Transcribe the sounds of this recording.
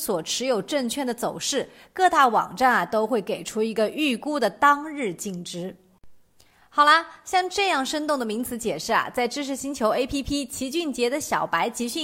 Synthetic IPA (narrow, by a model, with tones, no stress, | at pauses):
swɔ˨˩ʈ͡ʂʰɻ̩˧˥jo˨˩ʊʈ͡ʂə˥˧ŋt͡ɕʰɥɛ˥˩nd̪ə˩t͡so˨˩ʊʂɻ̩˥˩kɤ˥˧t̪a˥˩wɑ̰˨˩ŋʈ͡ʂa˥˩nɐ˩t̪o˥ʊxwe˥˩ɪke˨˩ɪʈ͡ʂʰu˥i˧˥ɡə˧ʔy˥˩ku˥d̪ə˨˩t̪ɑ˥ŋɻɻ̩˥˧t͡ɕi˥˩ŋʈ͡ʂɻ̩˥ | xɑ˨˩ʊlɐ˦ɕjɑ˥˧ŋʈ͡ʂɤ˥˧jɑ˥˩ŋʂə˥nt̪ʊ˥˩ŋd̪ə˩mi˧˥ŋt͡sʰɹ̩˧˥t͡ɕjɛ˨˩ʂɻ̩˥˩ɐ̰˩t͡sa˥˩ɪʈ͡ʂɻ̩˥ʂ̬ʰɻ̩˧˥ɕi˧˥nt͡ɕʰjo˧˥ʊe˥ɪpʰi˥pʰi˥t͡ɕʰi˧˥t͡ɕy˥˩nt͡ɕjɛ˧˥d̪ə˧ɕjɑ˨˩ʊpa˧˥ɪt͡ɕi˧˥ɕy˥˩